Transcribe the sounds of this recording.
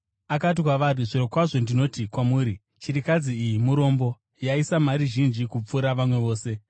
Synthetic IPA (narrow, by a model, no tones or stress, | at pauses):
akat̬ikwaʋariʐiɾokwaʐo̞ndino̞tikwamuːɾi | t͡ʃiɾikad͡ziːjimuɾo̞ːmbo̞ | jaisamaɾiʒind͡ʒikup͡fuɾaʋamwe̞ʋo̞ːse̞